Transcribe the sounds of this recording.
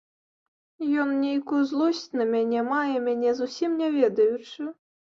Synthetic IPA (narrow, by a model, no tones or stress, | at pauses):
jɔnnʲejkujuzlˠusʲt͡sʲnɐmʲanʲɛmajɛmʲanʲɛzusʲimnʲavʲɛd̪ɐjut͡ʂɨ